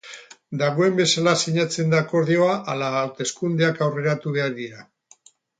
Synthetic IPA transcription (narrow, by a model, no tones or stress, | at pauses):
d̪aɣ̞o̞e̞mbe̞salasiɲat͡se̞nd̪aːko̞ɾðio̞aʔalaːwt̪e̞skund̪eakawre̞ɾat̪uβ̞e̞aɾðiɾa